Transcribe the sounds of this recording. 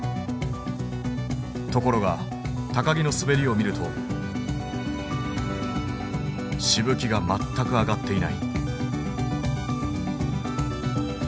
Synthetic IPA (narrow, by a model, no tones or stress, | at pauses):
t̪o̞ko̞ɾo̞ɡa | t̪akaɡʲino̞sɨbe̞ɾʲio̞mʲiɾɯ̟t̪ʰo̞̰ | ɕibɯ̟kʲiɡamat̪ːakɯ̟aɡat̪ːe̞ina̰ḭ